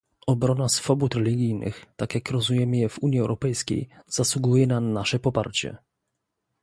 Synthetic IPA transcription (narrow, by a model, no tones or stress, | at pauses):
ɔbɾɔnasfɔbut̪ɾɛlʲiɡʲijnɘ̰xt̪akʲjakɾɔzujɛmɘjɛv̥uɲjiɛwɾɔpɛjskʲḛjz̥aswuɡujɛnanaʂɛpɔpaɾt͡ɕɛ̰